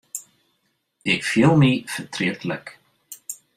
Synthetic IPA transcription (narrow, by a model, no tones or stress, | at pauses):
ɪɣfjɛlmifət̪ʰɾɛːt̪lɛ̰k